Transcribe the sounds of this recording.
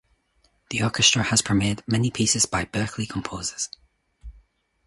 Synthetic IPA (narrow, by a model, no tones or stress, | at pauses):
ðiɔˑɹkɪstɹ̥ə˞əz̥pʰəmeːdmɛnipʰiˑsɪzbaɪbɜˑ˞kʰlˠikʰə̃mpʰoːzəz̥